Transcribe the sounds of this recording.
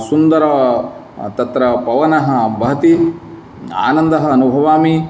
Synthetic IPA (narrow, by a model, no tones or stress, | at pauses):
sund̪ɐɾɐ | t̪ɐt̪ɾɐpɐʋɐnɐɦɐ̆bɐɦɐt̪i | a̰ːnɐnd̪ɐɦɐːnubʱɐʋaːmi